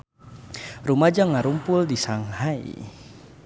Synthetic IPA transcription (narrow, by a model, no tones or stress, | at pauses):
rumad͡ʒaŋaɾumpʊldisaŋhaḭ